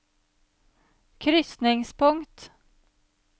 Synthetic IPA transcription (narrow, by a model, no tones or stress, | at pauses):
kʰɾʏsnɪŋspʰɵŋt̪